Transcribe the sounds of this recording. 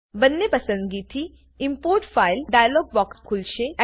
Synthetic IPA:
bənːepɐsə̃nd̪ɡiːt̪i | impoɾʈfailɖajlɔːɡ̚bɔkskʰulʃeɛ

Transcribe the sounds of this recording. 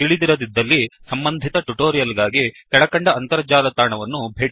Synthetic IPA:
iɭid̪iɾɐd̪id̪ːɐlːisɐmbɐnd̪ʱit̪ɐʈuʈoːɾijɐlɡaːɡikɛɭɐkɐɳɖɐːnt̪ɐɾɐd͡ʒaːlɐt̪aːɳɐʋɐnːubʱeːʈ

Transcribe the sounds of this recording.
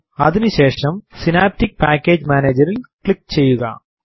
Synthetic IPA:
ɐðinuɕe̞ːʂɐmsinaːp̚tik̚paːkʲːeːd͡ʑmaːneːd͡ʑɐɾilkɭik̚t͡ɕe̞jːuɣɐ̰

